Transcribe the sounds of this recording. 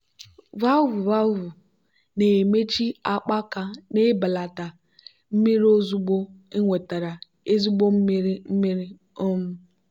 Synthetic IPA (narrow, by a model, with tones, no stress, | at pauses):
va˦vu˨va˦vu˨ | ne˨me˦t͡ʃi˦a˦k͡pa˦ka˨ne˦ba˨la˨ta˨ | m̩˦mi˦ɾo˦zu˦ɡ͡bo˦e˦ŋʷe˨ta˨ɾa˨ | e˦zu˦ɡ͡bo˦m̩˦mi˦ɾi˦m̩˦mi˦ɾi˦ | ɔ˦m̩˦